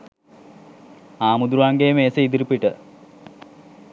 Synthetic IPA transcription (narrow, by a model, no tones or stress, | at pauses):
aːmud̪ɾuʋaŋɡeːmeːseid̪iɾipiʈə